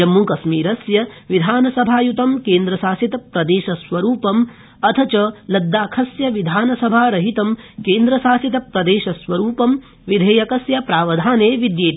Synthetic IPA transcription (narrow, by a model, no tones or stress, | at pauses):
ɐmːukɐsmiːɾɐsjɐʋid̪ʱaːnɐsɐbʱaːjut̪ɐmkeːnd̪ɾɐʃaːsit̪ɐpɾɐd̪eːʃɐsʋɐɾuːpɐm | ɐt̪ʰɐt͡ʃɐlɐd̪ːaːkʰɐsjɐʋid̪ʱaːnɐsɐbʱaːɾɐɦit̪ɐmkeːnd̪ɾɐʃaːsit̪ɐpɾɐd̪eːʃɐsʋɐɾuːpɐm | ʋid̪ʱeːjɐkɐsjɐpɾaːʋɐd̪ʱaːneːʋid̪jeː